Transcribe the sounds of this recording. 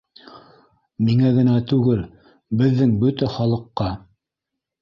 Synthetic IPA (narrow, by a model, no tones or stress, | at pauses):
miŋæɡɘ̆næt̪ʉɡɘl | bɘ̆ðːɘŋbɵt̪æχɑlˠɤ̆qːɑ